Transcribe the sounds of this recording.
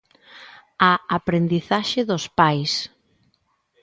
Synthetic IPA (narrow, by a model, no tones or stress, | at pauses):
aapɾend̪iθaʃɪðʊspajs